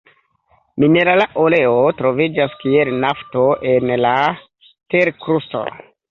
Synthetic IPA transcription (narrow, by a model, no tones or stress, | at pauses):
mine̞ɾalaʔoleotɾo̞vid͡ʒaskielnaftoʔenla | teɾkɾusto̰